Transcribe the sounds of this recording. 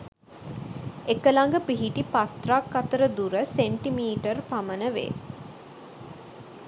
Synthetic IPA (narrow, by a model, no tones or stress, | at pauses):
ekəlaŋɡəpiɦiʈipat̪rakːat̪əɾəd̪uɾəseɳʈimiːʈərpamənəʋḛ